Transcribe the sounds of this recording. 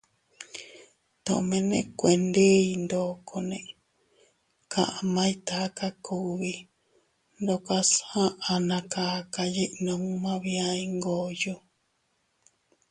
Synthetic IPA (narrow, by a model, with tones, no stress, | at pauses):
t̪õ̰˨˧mẽ˧nḛ̃˧kʷe˨nd̪e˦i˧nd̪o˨kʰo˧nẽ˧ʔ | kã˧˨ʔa˧mã˦ĩ˦t̪a˨˦ka˦kʰu˦βi˧ | nd̪o˧ka˧shã˦ʔa˧nã˧ka˧ka˧ji˦ʔnõ˧ŋu˦mã˦βi˧a˦i˧ŋɡo˨jo˦